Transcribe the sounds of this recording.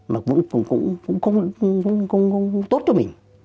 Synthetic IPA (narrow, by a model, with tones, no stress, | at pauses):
maː˨˩kʊ̰˧˥ŋ͡mkkʊ̰˧˥ŋ͡mkʊ̰˧˥ŋ͡mxə˧wŋ͡mkʊ̰˧˥ŋ͡mxə˧wŋ͡mxə˧wŋ͡mt̪o˦˥t̚t͡ɕɔ˧˦mï˨˩ŋ̟